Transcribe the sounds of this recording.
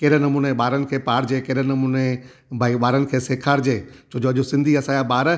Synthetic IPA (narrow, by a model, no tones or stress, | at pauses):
kɐːɾnɐmũːneɓaːɾənɪ̆kʰeːpaːɾd͡ʑeːkɐːɾnɐmuːne | bʱaːibaːɾənɪ̆kʰeːseːkʰaːɾd͡ʑeːt͡ɕʰoːd͡ʑoɐʄosɪ̃nd̪ʱiɐsaːjabaːɾ